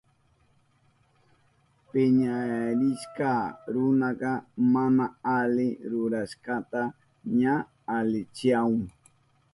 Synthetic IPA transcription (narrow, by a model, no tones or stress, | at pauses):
pɪɲaɾɪʃkɑɾʊnɑqɑmanaalɪɾʊɾaʃkɑt̪a | ɲaː | lɪt͡ʃɪaʊŋ